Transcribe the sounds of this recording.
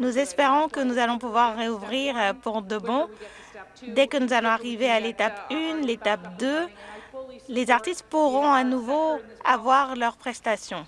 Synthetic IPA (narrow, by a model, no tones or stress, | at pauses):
nuzɛspeʁɔ̃kənuzalɔ̃puvwaʁːeuvʁiʁpuʁd̪əbɔ̃ | d̪ɛkənuzalɔ̃aʁivealet̪apynlet̪apd̪ø | lezaʁt̪ist̪̚puʁɔ̃anuvoavwaʁlœʁpχɛst̪asjɔ̃